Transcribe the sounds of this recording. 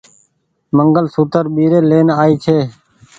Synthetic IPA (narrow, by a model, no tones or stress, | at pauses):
məŋɡəlsuːt̪əɾɓiːɾeːleːnaːiːt͡ʃʰeː